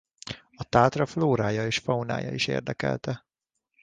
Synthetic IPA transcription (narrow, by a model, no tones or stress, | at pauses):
ɒt̪aːt̪rɒfloːɾaːjɒeːʃfɒuna̰ːjɒ̰iʃḛːrd̪ɛkɛ̰lt̪ɛ